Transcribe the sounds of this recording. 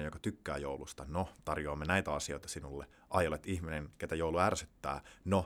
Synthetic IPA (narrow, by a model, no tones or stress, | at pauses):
jokɑ̥t̪ykːæ̰ːjo̰wlust̪ɑnot̪ɑrjoɑmːenæjt̪æɑsio̞it̪ɑ̥sinulːe | ʔɑjolet̪ihminenket̪æjouluærsyt̪ːæ̰ːno